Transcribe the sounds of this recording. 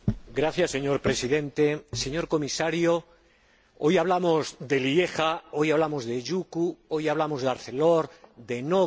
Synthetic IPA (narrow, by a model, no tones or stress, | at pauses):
ɡɾaθjasːe̞ɲo̞ɾpɾe̞siðẽ̞nt̪e̞se̞ɲo̞ɾko̞misaɾjo | ojaβ̞lamo̞zd̪e̞lie̞xao̞jaβlamo̞zðe̞ʝukuo̞jaβlamo̞zðaɾθe̞loɾd̪e̞no